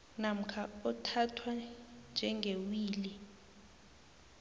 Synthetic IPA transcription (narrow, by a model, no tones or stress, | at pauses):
nam̩kʰaɔtʰatʰwand͡ʒʱɛŋɡʱewiːli